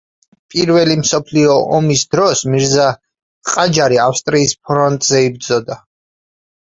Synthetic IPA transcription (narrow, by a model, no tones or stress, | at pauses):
pʼiɾvɛlimsɔpʰliɔʔɔmisd̪ɾɔsmiɾza | qʼad͡ʒaɾiafst̪ʼɾiːspʰɾɔnt̪ʼzɛib̚d̪zɔd̪a